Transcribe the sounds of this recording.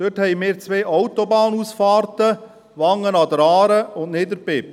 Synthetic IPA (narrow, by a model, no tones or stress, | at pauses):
d̥øthɛjmɪːɾt͡sʋeːʔɔwt̪obɑːnuːsfɑːɾtə | ʋɑŋːənɑd̪əɾɑːɾəʊndneːdəɾpɪp